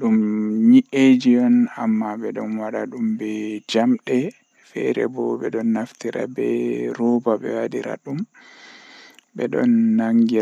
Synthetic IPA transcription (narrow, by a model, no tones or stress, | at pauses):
ɗumɲiʔed͡ʒijɔnamːaɓɛɗɔnwaɗaɗumbɛd͡ʒamɗɛ | fɛ̰ɾɛ̰bɔɓɛɗɔnːaftiɾa̰bɛɾɔbaɓɛ̰wadiɾa̰ɗum | bɛɗɔ̰nːaŋɡi